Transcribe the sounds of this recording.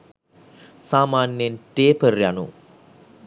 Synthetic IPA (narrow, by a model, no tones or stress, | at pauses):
saːmaːnjenʈeːpərjanṵ